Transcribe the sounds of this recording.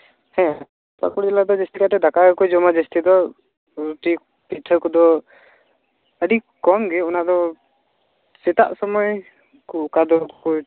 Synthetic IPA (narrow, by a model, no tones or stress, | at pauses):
hɛ̃ | pa̰kuɽd͡ʒɛlad̪ɔd͡ʒɛst̪ikat̪ɛd̪akakɔjd͡ʒɔmad͡ʒɛst̪id̪ɔ | ɾut̪i | pit̪ʰɔkɔd̪ɔ | əɖi | kɔmɡɛunad̪ɔ | sɛt̪a̰ʔsɔmɔj | kukad̪ɔkkɔ